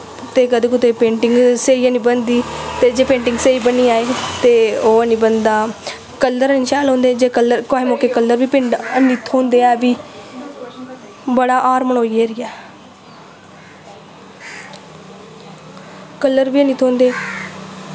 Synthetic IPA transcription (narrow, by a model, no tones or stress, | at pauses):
t̪eːkəd̪eːkʊt̪eːpẽːɳʈɪŋɡseːiəniːbənd̪iːt̪eːd͡ʒeːpẽːɳʈɪŋɡseiːbəniːaːeːt̪eːoːəniːbənd̪aː | kəlːəɾənːʃɛːlɦõːnd̪eːd͡ʒeːkəlːəɾkaːɦeːmõːkeːkəlːəɾʋiːpɪɳɖəniːt̪ʰõːnd̪eːɛːʋiː | bəɽaːʔaːɾməɳoːiːeːɾiːɛː | kəlːəɾbiːəniːt̪ʰõːnd̪eː